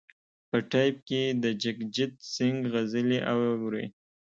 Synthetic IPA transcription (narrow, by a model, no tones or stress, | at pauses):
pəʈajp̚ked̪əd͡ʒɪkd͡ʒɪt̪sɪŋɡɣazəliʔawwɾḛ